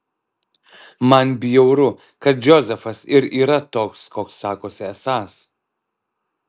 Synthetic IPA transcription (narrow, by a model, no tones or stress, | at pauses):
mɐnbʲijɛʊɾʊ | kɐt̪̚d͡ʒʲɔzʲɛfɐsɪɾiːɾɐt̪oːkskoːksːɑːkoːsʲɪɛsɑːs